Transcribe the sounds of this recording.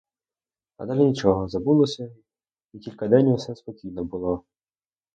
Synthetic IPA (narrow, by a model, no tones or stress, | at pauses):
ɐ̰d̪ɑlʲinʲit͡ʃɔɦɔzɐbulˠɔsʲɐ | ikʲilʲkɐd̪ɛnʲwʊsɛspɔkʲijnɔbʊlˠɔ